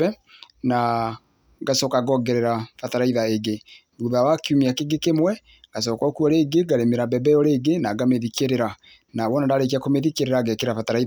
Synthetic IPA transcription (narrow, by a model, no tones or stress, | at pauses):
ɛ | na | ɡasɔkaɡɔɡɛɾɛɾafataɾaiðaeɡe | buðawakiumiakeɡekemwɛ | ɡ̥as̬ɔːkɔkuɔɾeɡeɡaɾemeɾabɛbɛjɔɾeɡenaɡameðikeɾeɾa | naβɔnadaɾek̬iakomeðikeɾeɾaɡekeɾafataɾai